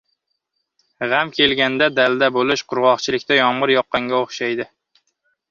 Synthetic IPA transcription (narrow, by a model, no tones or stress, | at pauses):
ʁamkʲʰe̞lɡʲand̪ad̪ald̪abolɪʃqʰʊɾʁɒχt͡ʃʰɪlɪkʲt̪ajɒɴʁɨɾjɒqːɑŋɡʲaoχʃajd̪ɪ